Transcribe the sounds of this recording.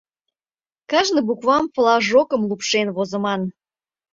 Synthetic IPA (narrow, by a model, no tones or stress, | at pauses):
kɑʒnɤ̆bukβɑmplɑʒokə̆mlupʃenβozə̆mɑn